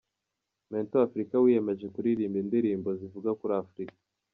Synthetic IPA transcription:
mentoafɾikawije̞me̞ʒe̞kuɾiɾiːmbindiɾiːmbo̞zivuɡakuɾaːfɾikḁ

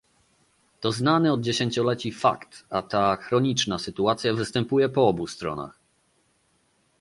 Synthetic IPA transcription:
t̪ɔznanɘɔd̪̚d͡ʑeɕeɲt͡ɕɔlɛt͡ɕifa̰kt̪at̪axɾɔɲit͡ʂnasɘt̪uat̪sʲjavɘst̪ɛmpujɛpɔɔbust̪ɾɔ̰na̰x

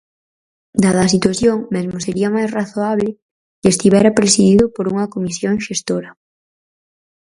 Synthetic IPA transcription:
d̪að̞ɐs̬it̪waθjoŋmezmoseɾiamajsraθoaβlɪ | kest̪iβɛɾapɾesiðiðopoɾuŋɐkomisjoŋʃest̪oɾɐ

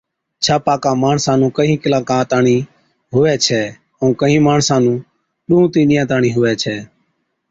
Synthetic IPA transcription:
t͡ʃʰaːpaːkãːmaːɳsãːnũːkəɦĩːkɪlaːkãːt̪aːɳiː | ɦʊʋɛːt͡ʃʰɛː | əũːkəɦĩːmaːɳsãːnũː | ɗuũːt̪iːnɪjãːt̪aːɳĩːɦʊʋɛːt͡ʃʰɛː

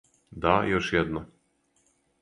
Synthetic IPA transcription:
d̪ajoʃjɛd̪nɔ

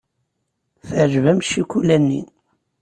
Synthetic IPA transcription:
θəʕʒvæmʃikʷulænːḭ

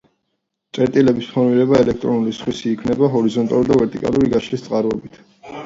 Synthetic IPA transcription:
t̪sʼɛɾt̪ʼilɛbispʰɔɾmiɾɛbaɛlɛk̚ʰt̪ʼɾɔnulisχwisiːkʰmnɛbaɦɔɾizɔnt̪ʼaluid̪avɛɾt̪ʼikʼa̰luɾiɡaʃʰlist̪sʼqʼaɾɛbit̪ʰ

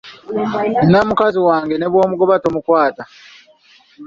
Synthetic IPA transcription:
nnamukaziwaːŋɡene̞βwo̞ːmuɡo̞βatomukwaːta

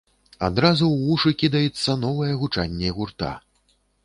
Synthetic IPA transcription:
a̰d̪ɾazuwuʂɨkʲid̪ɐjɛt̪sːɐnɔvɐjɛɣut͡ʂanʲːɛiɣurt̪a̰

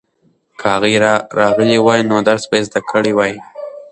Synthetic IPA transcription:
kʰəhaɣɾɾɑɣəlewɑjnod̪aɾsbaezd̪akʰəɽiwɑj

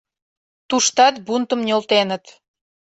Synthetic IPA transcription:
t̪uʃt̪ɑt̪̚bunt̪əmnʲolt̪enət̪

